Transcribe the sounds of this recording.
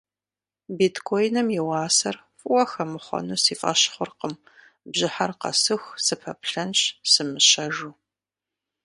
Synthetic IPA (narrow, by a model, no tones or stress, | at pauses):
bitʰkʰojnɐmjɪwɑːsɐr | fʼwɐxɐmɨχʷɔ̰nusiːfʼɐ̰ʃχʷʊrqəm | bʑɪħarqɐ̰sɨxsɨpʰɐpɬɐnɕsɨmɨɕɐʒuː